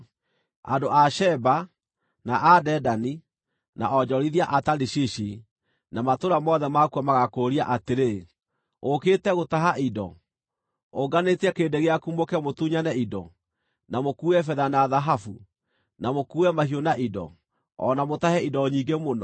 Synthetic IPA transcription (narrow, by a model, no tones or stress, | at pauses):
a̰doaʃɛba | naʔadɛdani | na̰ʔɔd͡ʑɔɾiðiaʔataɾiɕiʃi | namatoɾamɔðɛmakwɔmaɣakoɾiaʔateɾe | okeːtɛɣotaɦaʔidɔ̰ | oɡanetɛkeːndeɣeakumokɛmotuɲanɛidɔ̰ | namokuːɛfɛðanaðaɦafu | namokuːɛmahionaʔidɔ̰ | ɔ̰namotahɛidɔɲiɡemonɔ